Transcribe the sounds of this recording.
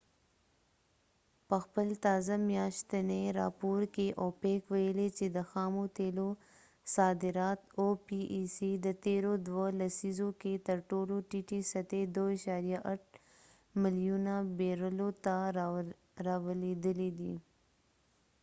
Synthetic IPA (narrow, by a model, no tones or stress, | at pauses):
pəxpəlt̪ɑːzamjɑʃt̪aneɾɑpoɾkeʔopekwɐjəlet͡ʃed̪əxɑːmot̪elo | sɑːd̪ɪɾɑːt̪opiʔsid̪ət̪eɾod̪wolasizoket̪ɐɾʈoloʈiʈisɐt̪ed̪oiʃaɾijaʔaʈ̚ | mɪljunabeɾəlot̪a | ɾawəled̪əlid̪i